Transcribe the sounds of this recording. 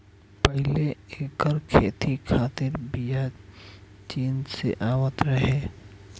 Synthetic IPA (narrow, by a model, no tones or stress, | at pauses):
pəɦɪleeːkəɾkʰeːt̪ikʰaːt̪ɪɾbija | t͡ʃiːnsḛʔaːwət̪ɾəɦeː